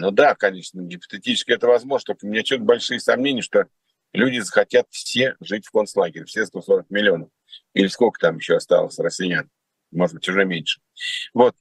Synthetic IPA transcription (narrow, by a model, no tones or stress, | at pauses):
nod̪akɐnʲe̞ʂnəɡʲɪpə̥t̪ɨtʲit͡ɕɪ̥skʲɪɛt̪əvɐzmoʐnət̪okəmʲɪnʲat͡ɕʲut̪bɐlʲʂɨjəsɐmnʲenʲɪjəʂt̪o̞ | lʲudʲɪzəxɐtʲat̪fsʲe̞ʐɨtʲfko̞nslˠaɡʲɪɾʲɪfsʲest̪o̞so̞ɾək̚mʲɪlʲɪo̞nəf | ilʲɪsko̞lʲkə̥t̪amjɪɕːoɐst̪a̰lˠə̰sʲrəsʲːɪjan | mo̞ʐəd̪bɨtʲʊʐɛmʲenʲʂɨ̥ | vo̞t̪̚